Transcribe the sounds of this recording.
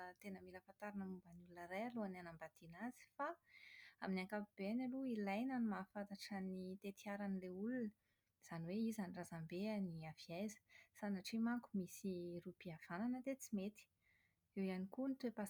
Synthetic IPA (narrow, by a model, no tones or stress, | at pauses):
t̪enəmiləfant̪aɾanəmumbanulunəɾajaluananambad̪̥inaz̥i̥faaminiaŋkapib̥eanaluilajnanimafat̪aʈ͡ʂanit̪et̪iaɾanileulunə | z̥aniweizanirazambeaniaviajzə̥sanaʈ͡ʂimaŋkumisirupiav̥ananəd̪et͡simet̪i̥ | ewijanikunit̪wepa